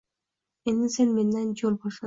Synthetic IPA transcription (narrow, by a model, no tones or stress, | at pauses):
enisenmenːend͡ʒolˠboʃo